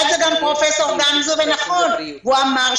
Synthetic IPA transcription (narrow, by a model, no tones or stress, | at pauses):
lzeɡampʁofesoʁɡanizobenaχon | vuamaʁ